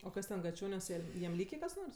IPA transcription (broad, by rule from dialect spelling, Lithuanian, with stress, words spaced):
oː ˈkɐs tʲɛn ɡɐˈt͡ʃʲoːnʲuɔs ˈjɛm ˈlʲiːkʲeː kɐs ˈnoːrs